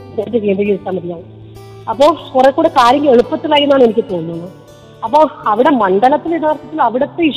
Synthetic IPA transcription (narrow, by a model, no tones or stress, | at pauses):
neːɐtːekeːd̪iɣiit̪ːaːmɐðijaːɳɨ | ɐpːoːɭkurekːuːɽekaːɾjɐŋɡile̞ɻupːɐt̪ːilaːjiɾunːaːɳe̞nikʲːɨt̪oːnːunːu | ɐpːo̞ːɭɐʋiɽe̞mɐɳɖɐlɐt̪ːiliðaːrt̪ʰːɐt̪ːilɐʋiɽɐt̪ːeiʂ